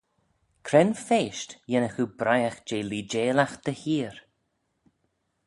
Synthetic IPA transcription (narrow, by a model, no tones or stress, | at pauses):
kʰɾɛnfeːʃtjɛnəxubɾajaxd͡ʒeːliːd͡ʒeːlaxd̪̥əhiːɾ